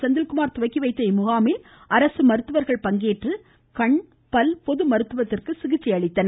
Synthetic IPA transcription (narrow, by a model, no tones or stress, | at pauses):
t͡ʃɐnd̪ɪlkʊmaːɾt̪ʊʋɐɪkːiʋɐɪt̪ːɐɪmʊɣaːmɪl | ɐɾɐsɯmɐɾɯt̪ːɯʋɐɾɣɐɭpɐŋɡeːʈrɯ | kɐɳ | pɐlpɔðɯmɐɾɯt̪ːɯʋɐt̪ːɪrkɯsɪɣɪt͡ʃːɪjɐɭɪt̪ːɐnɐ